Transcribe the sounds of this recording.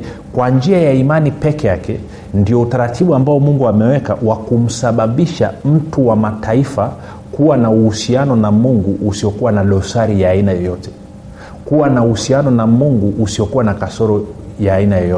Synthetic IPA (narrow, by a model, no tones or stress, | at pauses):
kwand͡ʒiajaimanipɛkɛjakɛ | ndiɔutaɾatʰiɓuambaɔmuŋɡuamɛwɛka̰wakum̩saɓaɓiʃam̩tuwamatʰaifa | kuwanauhusianɔnamuŋɡuʔːsiɔkuwanaɗɔsaɾijaːinajɔjɔtɛ̥ | kuwanauhusianɔnamuŋɡuʔːsiɔkuwanakasɔɾɔjaːinajɔjɔɛ